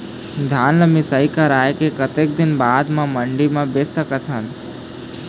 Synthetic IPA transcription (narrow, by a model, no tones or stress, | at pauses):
d̪ʱaːnləmisəikaɾaːjkekət̪eːk̚d̪ɪnbaːd̪mãməɳɖimãbeːssəkət̪ɦən